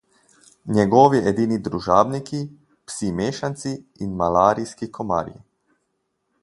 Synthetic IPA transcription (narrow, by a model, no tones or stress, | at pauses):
ɲɛɡɔːʋiɛd̪iːnid̪ɾuʒaːbniki | psimeːʃant̪si | inmalaːɾiskikɔma̰ːɾjḭ